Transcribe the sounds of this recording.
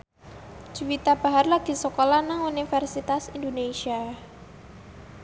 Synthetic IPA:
d͡ʒ̥uwit̪ab̥aɦarlaɡ̥isɔkolanaŋunifɛrsit̪asindoneʃia

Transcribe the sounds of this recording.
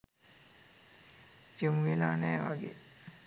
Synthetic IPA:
d͡ʒimʋelaːnɛːʋaɡḛ

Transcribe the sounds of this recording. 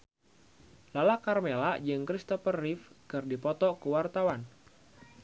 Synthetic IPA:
lalakarmelad͡ʒɨŋkɾist̪ɔfərːifkɨrdipɔt̪ɔkəwart̪awan

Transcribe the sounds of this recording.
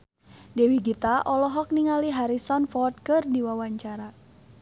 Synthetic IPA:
dɛwiɡit̪aʔɔlɔɦɔk̚niŋaliɦaɾisɔnfɔt̪̚kərdiwawaɲt͡ʃaɾa

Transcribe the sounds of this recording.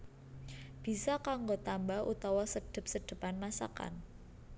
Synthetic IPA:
b̥i̤sakaŋɡot̪ambaɦʔṵt̪awasəɖ̥ə̤p̚səɖ̥ə̤panmasa̰ka̰n

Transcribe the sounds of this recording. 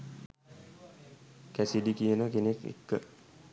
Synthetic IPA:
kæsidikijənəkenekḛkːə

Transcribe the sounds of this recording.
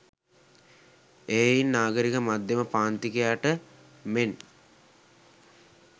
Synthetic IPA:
eːjinːaːɡəɾikəmad̪jeməpaːnt̪ikijaːʈə | men

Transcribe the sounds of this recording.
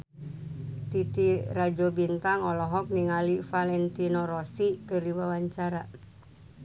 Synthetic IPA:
t̪it̪irad͡ʒobint̪aŋɔlɔɦɔk̚niŋalifalɛnt̪inɔɾɔsikɨriwawaɲt͡ʃaɾa

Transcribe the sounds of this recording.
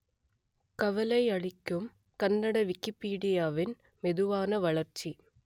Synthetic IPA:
kɐʋɐlɐɪɐɻɪkʲːɯm | kɐnːɐɽɐʋɪkːipːiːɽijaːʋɪn | mɛðɯʋaːnɐʋɐɭɐrt͡ʃːi

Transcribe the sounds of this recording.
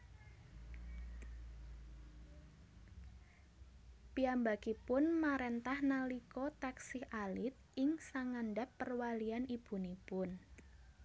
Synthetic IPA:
piambakipʊnmaɾent̪ahnalikɔt̪aksɪhʔalɪt̪̚ɪŋsaŋanɖapːərwalianib̥ṳnipʊn

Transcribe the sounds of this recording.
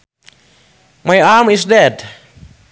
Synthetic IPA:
majaːmisdɛd

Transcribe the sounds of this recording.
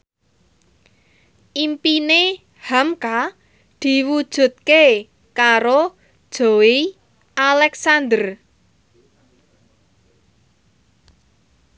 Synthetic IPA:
ʔimpine | hamka | d̪̥i̤wud̥ʒ̥ṳt̪̚ke | kaɾo | d̥ʒ̥owi | ʔalɛksand̪ər

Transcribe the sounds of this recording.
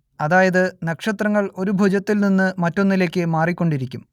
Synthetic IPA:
ɐðaːjɐðɨnɐkʂɐt̪rɐŋːɐɭo̞ɾubʱud͡ʑɐt̪ːilninːɨmɐtːo̞nːile̞ːkʲːɨmaːrikʲːo̞ɳɖiɾikʲːum

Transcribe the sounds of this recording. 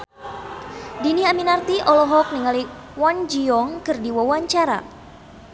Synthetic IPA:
diniaminart̪iʔɔlɔɦɔk̚niŋaliwand͡ʒiɔŋkɨrdiwawaɲt͡ʃaɾa̰

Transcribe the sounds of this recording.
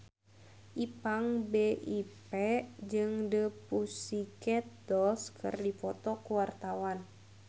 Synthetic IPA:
ʔipaŋbeʔipɛd͡ʒɨŋdəpusikɛt̪̚dɔskʰɨ̰rdifɔt̪ɔkuwart̪awan

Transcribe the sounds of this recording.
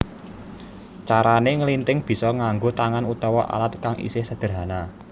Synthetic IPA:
t͡ʃaɾaneŋəlint̪ɪŋb̥i̤sɔŋaŋɡot̪aŋanut̪ɔwɔʔa̰lat̪̚kaŋḭsɪhsəd̪̥ə̤rɦana

